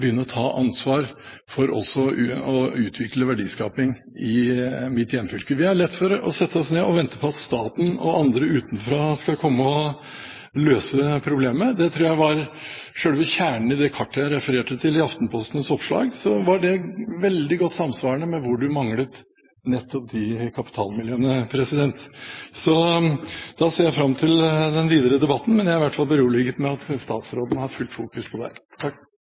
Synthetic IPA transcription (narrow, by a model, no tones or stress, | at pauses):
bəjʏnːəɾɔt̪ʰɑːʔɑnsʋɑːɾ | fɔɾʔɔ̰sːɔɔʉːt̪ʰʋɪkləʋæɖiːskɑːpɪŋ | ɪmɪt̪jɛnfʏlkəʋɪæɭɛt̪ːfɔɾɔ̰sɛt̪ʰːəɔsneːɔʋɛnt̪ə̥pʰɔɑt̪st̪ɑːt̪n̩ɔ̰ɑnd̪ɾəʉːt̪n̩fɾoːskɑkʰɔmːəɔ | løːsəpʰɾʊbleːməd̪ɛt̪ʰɾuːjæɪʋɑɾ | ʂøːɽʋɪçæːɳəɳ̩ɪd̪ɛkʰɑʈːəjæɪɾɛfəɾeːʈət̪ʰɪlɪɑft̪n̩pʰɔst̪nsɔpʂɭɑ̰ːɡsɔʋɑɖɛʋɛld̪ɪɡɔt̪ːsɑmsʋɑːɾɳəmɛʋʊɖʉmɑŋlət̪ | nɛt̪ːɔp̚d̪ɪkʰɑpɪ̥t̪ʰɑ̰ːlmɪljøːnəpʰɾɛsɪd̪ɛnt̪sɔ | d̪̥ɑseːɾjæɪfɾɑmːt̪ʰɪld̪ɛnʋiːd̪əɾəd̪ɛbɑt̪ːn̩mɛnjæɪʋæʈfɑlˠbəɾuːɭɪɡət̪mɛɑt̪st̪ɑ̰ːt̪sɾoːd̪ənhɑɾfʉlt̪fuːkʉspʰɔd̪æ̰ɪt̪ʰɑ